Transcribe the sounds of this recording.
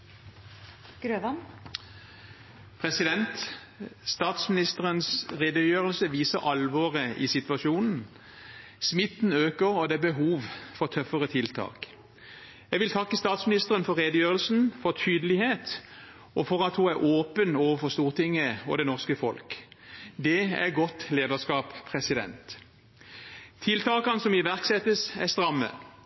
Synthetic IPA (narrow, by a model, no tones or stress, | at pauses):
ɡ̥ɾøːʋɑn | pʰʁɛsɪd̪ɛnt̪ | st̪ɑːt̪smɪnɪst̪əʁənsʁeːd̪əjøːʁəlsəʋiːsəʁɑlʋɔːʁəʔɪ̰sɪt̪ʋɑʃuːnn̩ | smɪt̪n̩øːkəʁɔd̪ɛbəɦuːʋfɔʁt̪ʰœfəʁət̪ʰɪlt̪ʰɑ̰ːk | jɛɡʋɪlt̪ʰɑkːəst̪ɑːt̪smɪnɪst̪əʁənfɔʁeːd̪əjøːʁəlsn̩fɔʁt̪ʰyːd̪əlɪheːt̪ | ʔɔfɔʁɑt̪huæʁʔoːpənoːʋəfɔʁst̪uːʁt̪ɪŋːəɔ̰d̪ɛnɔʁskəfɔ̰lkd̪ɛæ̰ɡɔt̪leːd̪əʁskɑːppʰʁɛsɪd̪ɛ̰nt̪ | ɪlt̪ʰɑːkɑnəsɔmɪʋæʁksɛt̪əsæst̪ʁɑmːə̰